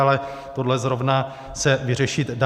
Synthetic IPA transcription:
alɛ | t̪o̞dlɛzɾo̞vna | sɛvɪr̝ɛʃɪt̪da

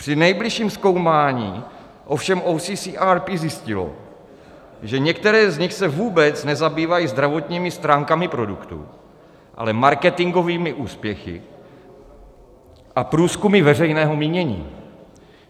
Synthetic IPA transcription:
pr̥ɪnɛjblɪʃiːmsko̞wmaːɲiː | ʔo̞fʃɛmʔowsisiːʔaːɾpizjɪscɪlo̰ | ʒɛɲɛkt̪ɛɾɛːzɲɪxsɛvuːbɛt͡snɛzabiːvajizd̪ɾavo̞t̪ɲiːmɪst̪ɾaːŋkamɪpɾo̞dukt̪ṵ | ʔa̰lɛmaɾkɛt̪ɪŋɡo̞viːmɪʔuːspjɛxɪ̰ | ʔapɾuːskumɪvɛrɛjnɛːɦo̞miːɲɛɲḭː

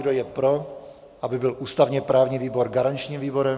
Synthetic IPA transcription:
dojɛpɾo | ʔabɪbɪlʔuːst̪avɲɛpɾaːvɲiːviːbo̞ɾɡaɾant͡ʃɲiːmviːbo̞ɾɛ

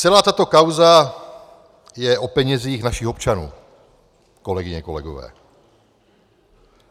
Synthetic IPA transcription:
t͡sɛlaːt̪at̪o̞kawza | jɛʔo̞pɛɲɛziːxnaʃɪxo̞p̚t͡ʃanṵː | ko̞lɛɡɪɲɛko̞̰lɛ̰ɡo̰vɛ̰ː

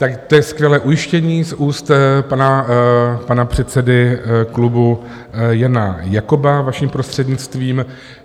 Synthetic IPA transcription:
t̪akt̪ojɛskvjɛlɛːʔujɪʃcɛɲiːsʔuːst̪pana | panapr̝̥ɛt̪t͡sɛdɪklubu | janajakobavaʃiːmpɾost̪r̝̥ɛdɲɪt͡st̪viːm

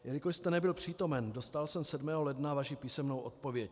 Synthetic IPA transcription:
jɛlɪkoʃst̪ɛnɛbɪlpr̝̥iːt̪o̞mɛndo̞st̪alsɛmsɛdmɛːɦolɛdnavaʃipiːsɛmno̞wʔo̞tt̪po̞vjɛc̚

